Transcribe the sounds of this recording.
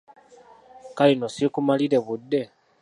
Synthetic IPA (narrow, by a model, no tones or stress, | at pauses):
kalinosikumaliɾe̞βud̪ːe̞